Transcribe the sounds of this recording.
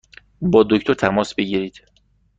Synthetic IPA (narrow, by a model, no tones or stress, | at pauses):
bɒːd̪ocʰt̪ʰo̞ɾt̪ʰæmɒːsbeɟiɾiːd̪̥